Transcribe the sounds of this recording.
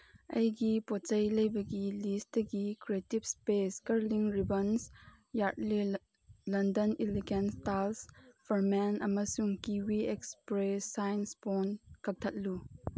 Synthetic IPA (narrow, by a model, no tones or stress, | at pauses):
ʔɐjɡipɔt͡ʃɐjlɐjbɐɡilistɡikɾetibspeskɐɾliŋɾibɐns | jatli | lɐndɐniliɡɛnstalsfɐɾmɛnʔɐmɐsuŋkiwiɛkspɾesːajnspɔnkɐk̚t̪ʰɐt̚lu